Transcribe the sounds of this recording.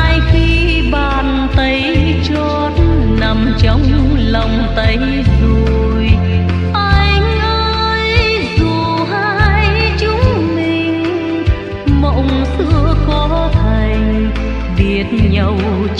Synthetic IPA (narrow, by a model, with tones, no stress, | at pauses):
jxi˧ | ɓaː˨˩˨n | t̪ə˨˦j | t͡ɕɔ˧t̚ | na˨˩mt͡ɕɔ˨˧˦wŋ͡mŋ͡mlə˨˩wŋ͡mt̪ə˨˦j | zo˨˩ | j | ʔaː˧jŋʔə˧ | j | zu˨˩ | ɦa˧jt͡ɕʊ˨˦ŋ͡mmi˨˩ŋ̟ | mə̰˧˨wŋ͡msɨ̰˧əkɔ˨˦t̪ʰaa˨˩jŋ̟ | ɗi˨˩ət̚ɲə˨˩w